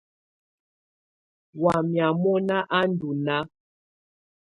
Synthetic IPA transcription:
wa˨mja˨mɔ˦na˦ʔa˦n˦du˨na˦

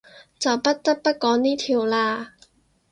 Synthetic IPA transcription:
t͡sɐ˨wpɐ˥t̚t̪ɐ˥k̚pɐ˥t̚kɔː˨˥ŋniː˥t̪ʰiː˨˧wlaː˧

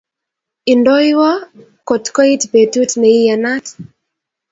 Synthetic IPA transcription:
i˨ndɔ˦jwɔ˦ | kɔ˨tkɔ˦i˦tbe˨tu˦tne˨i˦ja˨na˦t

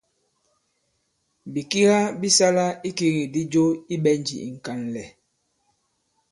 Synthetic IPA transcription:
bi˨ki˦ɣa˦bi˦sa˦la˦i˦ki˦ɣi˨di˦d͡ʒo˦i˦ɓɛ˦n˦d͡ʒḭ˨ḭ˨ŋ̩˨ka˨n˨lɛ˨

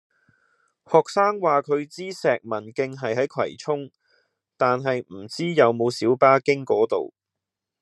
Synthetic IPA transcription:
hɔː˨k̚saː˥ŋwaː˨˩kʰɵ˨˧ɥt͡siː˥sɛː˨k̚mɐ˨˩nkɪ˧ŋɦɐ˨jɦɐ˨˥jkʰwɐ̰˨˩jt͡sʰʊ˥ŋ | t̪aː˨nɦɐ˨jm̩˨˩t͡siː˥jɐ˨˧wmo˨˧wsiː˨˥wpaː˥kɪ˥ŋkɔː˨˥t̪o̰˨w

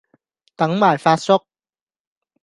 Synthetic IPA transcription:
t̪ɐ˨˥ŋmaː˨˩jfaː˧t̚sʊ˥k̚

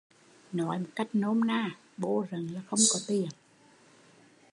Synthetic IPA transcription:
nɔ˨˦jmo˨˩t̚ka˦˥jk̟̚no˧mnaː˧˩ | ɓo̰˧zə˨˩ŋɲa˨˧˦xə˧wŋ͡mkɔ˨˦t̪i˨˩ən

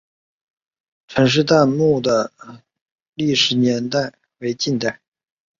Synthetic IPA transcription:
ʈ͡ʂʰɤ˧˥ŋʂ̬ɻ̩˥˧t̪a˥˧nmu˥˩d̪ə˩ | li˥˩ʂɻ̩˧˥njɛ˧˥nt̪a˥˩ɪ | we˧˥ɪt͡ɕi˥˧nt̪a˥˩ɪ

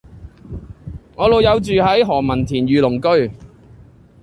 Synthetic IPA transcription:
ŋɔː˨˧lo˨˧wjɐ˨˧wt͡ʃyː˨hɐ˨˥jɦɔː˨˩mɐ˨˩nt̪ʰiː˨˩nɥyː˨lʊ˨˩ŋkɵ˥ɥ

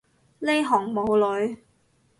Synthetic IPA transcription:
le˥jɦɔː˨˩ŋmo˨˧wlɵ˨˧ɥ

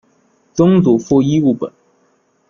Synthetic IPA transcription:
t͡sʊ˥ŋt͡su˨˩fu˥˧i˥u˥˩pə̰˨˩˦n

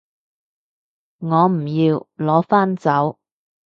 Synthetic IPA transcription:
ŋɔː˨˧m̩˨˩jiː˧wlɔː˨˥faː˥nt͡sɐ˨˥w

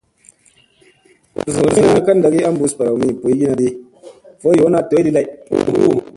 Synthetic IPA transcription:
so˨i˦na˦a˦ka˦n̩˦da˨ki˦a˦m̩˦bu˨˦spa˨ɾa˨wmi˦˨po˨i˦ɡi˦na˨di˦ | fo˦jo˨˦na˦˨to˨˦di˦la˦˨˦

